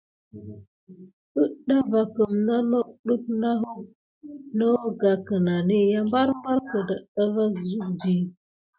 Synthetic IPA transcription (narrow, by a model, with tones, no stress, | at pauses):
ə˦ɗa˦va˨kə˨mna˦no˦ɗu˦p̚na˦ɦu˦ | no˦ɡa˨kə˨na˨ni˦ja˦mba˦ɾmba˦ɾkə˨da˨ɗa˦va˦˨zu˦d͡ʒi˦